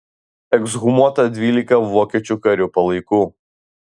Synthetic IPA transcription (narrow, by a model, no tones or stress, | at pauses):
ɛɡzɣʊmuɔt̪ɐd̪ʲʋʲiːlʲɪkɐʋoːkʲɛt͡ʃʲukɐɾʲʊpɐlˠɐɪkuː